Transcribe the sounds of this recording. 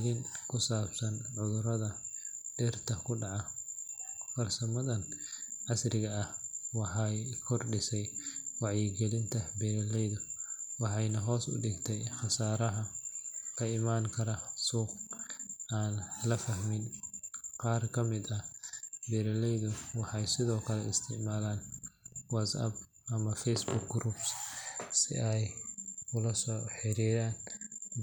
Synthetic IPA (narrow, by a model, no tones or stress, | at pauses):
ðiŋkʰʊsaːbsɐnʕʊðʊɾɐðɐɖ̥ɛrt̪ʰɐkʰʊɖɑʕɑ | fɐrsɐmɐðɐnʕɑsrɪɣɐːhwɑħɑjkʰɔrɖɪsɛjwɑʕjɪɡɛlɪnt̪ʰɐbɛːɾɛlɛjðʊwɑħɑjnɐɦɔːsʊ̰ɖɪɡt̪ʰɛjχɑsaːɾɐɦɐlɐɪmaːŋkʰɐɾɐsuːq̚ | aːnlɐfɐhmɪn | qɑːrkʰɐmɪd̪ɐbɛːɾɐlɛjðʊwɑħɑjsɪðɔːkʰɐlɛɪst̪ʰɪʕmaːlaːnwɐt̪sɐ̰b̚ | ɐmɐfɛjsbʊk̚ɡɾuːbssɪ̰ʔɛjʊlɐsɔːħɪɾiðaːn